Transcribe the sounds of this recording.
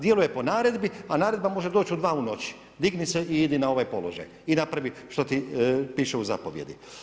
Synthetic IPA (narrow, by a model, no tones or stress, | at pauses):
d̪je̞luje̞po̞naːɾe̞d̪bianaːɾe̞d̪bamo̞ʒe̞d̪oːt͡ɕud̪ʋaːuno̞t͡ɕi̥ | d̪iɡniseʔiid̪inao̞ʋajpo̞lo̞ʒa̰j | inapɾaʋiʃt̪ot̪ipiːʃeuza̰po̞ʋje̞d̪ḭ